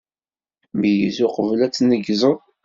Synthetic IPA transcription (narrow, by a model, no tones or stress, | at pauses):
məjizʊqəvlæt͡sːnəɡzˤəðˤ